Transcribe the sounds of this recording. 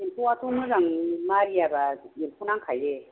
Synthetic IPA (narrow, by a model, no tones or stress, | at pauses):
empʰoatʰonɯzaŋmaɾijabaempʰunaŋkʰaje